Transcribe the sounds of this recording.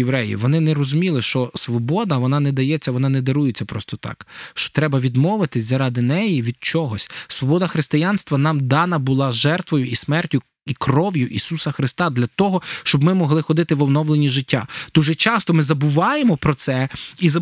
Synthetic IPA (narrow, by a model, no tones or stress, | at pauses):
eʋɾɛjḭʋɔnɪnɛɾɔzʊmʲilˠɪʃt͡ʃɔsʋɔbɔd̪ɐʋɔnɑnɛd̪ɐjɛt͡sʲːɐʋɔnɑnɛd̪ɐɾujet͡sʲːɐpɾɔst̪ɔt̪ɑ̰kʃt͡ʃɔ̥t̪ɾɛbɐʋʲid̪mɔʋɪt̪ɪsʲzɐɾɑd̪ɪnɛjiʋʲid̪̚t͡ʃɔɦɔsʲsʋɔbɔd̪ɐxɾɪst̪ɪjɑnst̪ʋɐnɑmd̪ɑnɐbʊlˠɑʒɛrt̪ʋɔjʊʔismɛrtʲʊ | ikrɔʋʲjʊʔisusɐxɾɪst̪ɑd̪lʲɐt̪ɔɦɔʃt͡ʃɔbmɪmɔɦlˠɪxɔd̪ɪt̪ɪʋɔwnɔʋlˠenʲiʒɪtʲːa̰d̪̥uʒɛt͡ʃɑst̪ɔmɪzɐbʊʋɑjemɔpɾɔt̪sɛizɐ